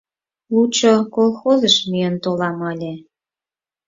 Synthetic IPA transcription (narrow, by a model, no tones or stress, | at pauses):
lut͡ɕokolˠxozəʃmyjənt̪olɑmɤlʲe